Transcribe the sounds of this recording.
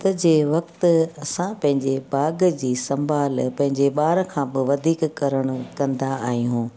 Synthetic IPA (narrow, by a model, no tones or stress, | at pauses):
t̪ɐd͡ʑeːʋɐkt̪ɐsãpɐ̃ɦɪ̃ɲd͡ʑebaːɡd͡ʑiːsɐ̃mbʱaːlpɐ̃ɦɪ̃ɲd͡ʑeɓaːɾkʰãːbɪʋɐd̪ʱiːkkɐɾəɽ̃ʊ̆kɐ̃nd̪aaːɦĩɦũː